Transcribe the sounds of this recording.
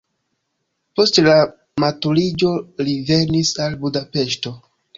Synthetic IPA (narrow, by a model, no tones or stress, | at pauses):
po̞stla | matulid͡ʒo̞live̞nisalbudape̞ʃto̞